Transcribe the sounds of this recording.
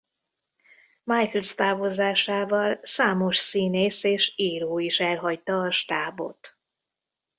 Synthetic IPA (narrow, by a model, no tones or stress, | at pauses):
majklst̪aːvo̞zaːʃaːvɒlsaːmo̞ʃsiːneːseːʃiːɾoːiʃɛlɦɒct̪ɒːʃt̪aːbo̰t̪